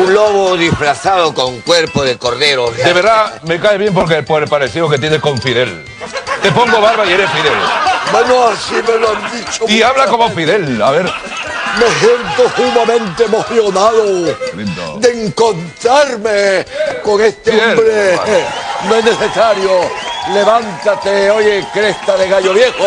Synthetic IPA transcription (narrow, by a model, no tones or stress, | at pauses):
unloβoðisfɾaθaðokoŋkweɾpoðekoɾðeɾod̪eβeɾðame̞kaeβje̞mp̬oɾk̬epoepaɾesiðoket̪̬jeneko̞ɱfiðe̞l | t̪e̞poŋɡoβaɾβaieɾesfiðelbwenoasimeloand̪it͡ʃoiaβlako̞mofiðelaβeɾ | mesje̞nt̪ohuβamẽ̞nt̪eemoθjo̞naðoid̪eŋkont̪ɾaɾmeko̞ŋe̞st̪eeolbɾe | noesnese̞saɾjole̞βant̪at̪eojekɾe̞st̪aðe̞ɣaʎoβje̞xo